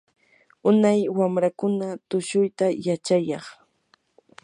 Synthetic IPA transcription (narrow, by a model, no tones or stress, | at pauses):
ʊnajwamɾakʊnat̪ʊʃʊjt̪ajat͡ʃajɑχ